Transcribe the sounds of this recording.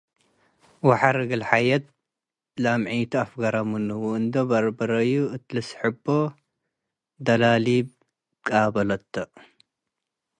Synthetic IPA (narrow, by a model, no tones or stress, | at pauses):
waħaɾɨɡɨlħajɐt̪̚ | lamʕit̪ʰuafɡaɾamunɨwuɨnd̪ɐbɐɾbɐɾɐjuʔɨt̪lɨsħɨbo | d̪ɐlalib | kʼabɐlɐt̪ʰːɐʔ